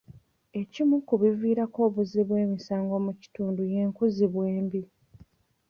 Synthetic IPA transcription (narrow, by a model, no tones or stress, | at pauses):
e̞cimukuβiviːɾako̞ːβuziβweːmisaːŋɡo̞muci̥tuːnduje̞ːŋkuziβweːmbi